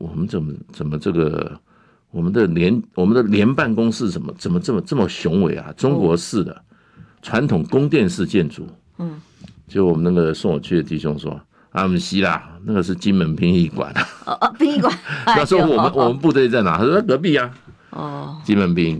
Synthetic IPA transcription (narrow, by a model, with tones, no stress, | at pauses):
wɔ˨˩mə˦nt͡sə˨˩mə˦t͡sə˨˩nmə˦ʈ͡ʂɤ˥˩ɡə̰˩ | wɔ˨˩mə˦nd̪ə˨ljɛ˧˦nwɔ˨˩mə˦nd̪ə˨ljɛ˧˥npa˥˩nkʊ˥ŋsɹ̩˥˩ʂə˨˩nmə̰˨˦t͡sə˨˩nmə˦ʈ͡ʂə˥˩mə˩ʈ͡ʂə˥˩mə˩ɕjʊ˧˥ŋwe˨˩˦ɪa̰˨ʈ͡ʂʊ˥ŋkwɔ˧˥ʂɹ̩˥˩d̪ə̰˩ | ʈ͡ʂʰwa˧˦˥nt̪ʰʊ˨˩ŋkʊ˥ŋt̪jɛ˥˧nʂɻ̩˥˧t͡ɕjɛ˥˩nʈ͡ʂṵ˨˩˦ | t͡ɕwɔ˨˩mə˦na˥˩ɡə˩sʊ˥˩ŋwɔ̰˨˩t͡ɕʰy˥˩ə˩t̪i˥˩ɕʊ˥ŋʂwɔ̰˦ | a̰˥˩mu˨˩ɕi˥la˨˩na˥˩ɡə˨˩ʂɻ̩˥˩t͡ɕi˥nmə˧˥npʰi˥ŋi˥˩kwa̰˨˩na˦i˥i˥˧ka˨˧˥jɑ˥˩ʂwɔ˥wɔ˨mə˦nwɔ˨mə˦np̬u˥˧t̪we˥˧i˧t͡sa˥˩ɪna̰˨˥a˥˩k̬ɤ˧˥p̬i˥˩a˨ | t͡ɕi˦˥nmə˧˥npi˧˥ŋ